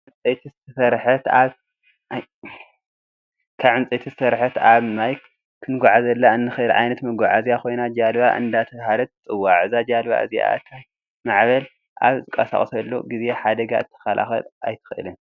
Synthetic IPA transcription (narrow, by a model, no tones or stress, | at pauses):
ʕɨnt͡sʼet̪ʰizɨtʰɐsɐɾħɐt̪aβ | kʰaβʕɨnt͡sʼet̪ʰizɨ̥sɐɾħɐt̪aβmaj | kʰːɨnɡʷaʕazɐlːaɨnːɨxɨʔɨlʕa̰jnɐt̪mɐɡaʕazijakʰo̞jnad͡ʒalba̰ʔɨ̰nd̪at̪ʰɐβhalɐt̪̚t͡sʼɨwːaʕɨzad͡ʒalβa̰ʔɨ̰zja̰t̪ʰaj | maʕβɐl | ʔa̰βzɨkʼɐsa̰χʼsɐlːo̰ɡizeħad̪ɐɡa̰ɨt̪ʰːɐ̥xalʔa̰xɐ̰lʔa̰jt̪ʰɨ̥xʔɨ̰lɨn